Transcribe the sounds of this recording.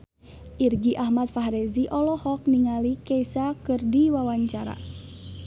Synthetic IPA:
ʔirɡiʔahmat̪̚faɦɾɛziʔɔlɔhɔk̚niŋalikɛisakɨrdiwawaɲt͡ʃaɾa̰

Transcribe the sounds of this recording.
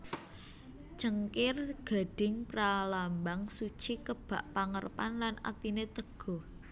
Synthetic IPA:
t͡ʃəŋkɪrɡ̥a̤ɖ̥ɪŋpɾalambaŋsut͡ʃikəb̥a̤ʔpaŋərpanlanʔa̰t̪inet̪əɡ̥ɔ̤h

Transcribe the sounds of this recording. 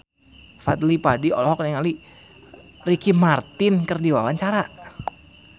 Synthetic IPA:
fat̪lipadiɔ̰lhɔk̚naŋali | rikimart̪ɪnkərdiwawaɲt͡ʃaɾa

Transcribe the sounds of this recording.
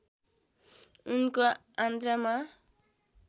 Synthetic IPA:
unko | ãnd̪ɾama

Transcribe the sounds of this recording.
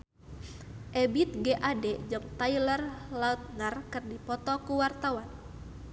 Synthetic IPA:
ʔɛbit̪̚ɡeʔadɛd͡ʒɨŋt̪ajlərlaut̪̚nərkɨrdipɔt̪ɔkuwart̪awan

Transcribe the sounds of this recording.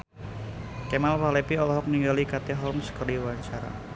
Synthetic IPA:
kɛmalpalɛpiɔlɔɦɔk̚niŋɡalikat̪eɦɔlmsə̥kərdiwant͡ʃaɾa̰

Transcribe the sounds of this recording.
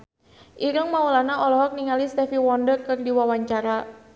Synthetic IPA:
ʔiɾəŋmaulanaʔɔlɔɦɔk̚niŋalist̪ɛfiwɔndərkɨrdiwawaɲt͡ʃaɾa

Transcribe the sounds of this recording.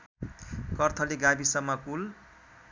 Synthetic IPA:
kʌrt̪ʰʌliɡabisʌmːʌkul

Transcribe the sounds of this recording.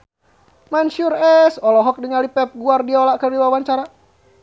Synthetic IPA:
manʃurɛsɔlɔɦɔk̚diŋalipɛp̚ɡuardiɔlakərdiwawaɲt͡ʃaɾa

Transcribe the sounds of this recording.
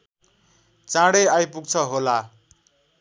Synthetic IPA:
t͡sãɽeajpuɡ̚t͡sʰʌɦola

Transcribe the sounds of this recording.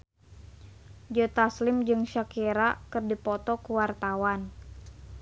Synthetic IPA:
d͡ʒət̪aslɪmd͡ʒɨŋʃakeɾakɨrdipɔt̪ɔkuwart̪awan

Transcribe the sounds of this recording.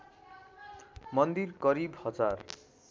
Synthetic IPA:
mʌnd̪irkʌɾibhʌd͡zar

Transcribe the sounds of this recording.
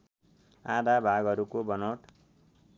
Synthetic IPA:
ad̪abʱaɡʌɾukobʌnowʈ

